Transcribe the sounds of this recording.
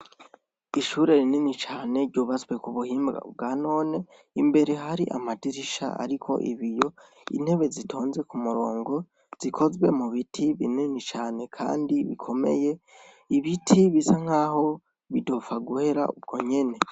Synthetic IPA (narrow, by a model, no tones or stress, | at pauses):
iʃuɾe̞ɾininit͡ʃaːne̞ɾɟuːβazwe̞kuβuhiːmbɡa̰bɡano̞ːne̞ | imbe̞ɾe̞ɦaɾiʔa̰madiɾiʃa̰a̰ɾikʰo̞̰ʔḭβijo̞ | ḭn̥he̞βe̞zitʰo̞ːnze̞kumuɾo̞̰ːŋɡo̞ | z̥ikʰo̞zwe̞muβitʰiβininit͡ʃaːne̞kʰa̰ːndiβikʰo̞me̞̰je̞ | iβitʰiβisaŋ̥aːho̞ | βidofaɡuhe̞ɾa̰ʔub̚ɡo̞ɲe̞ne̞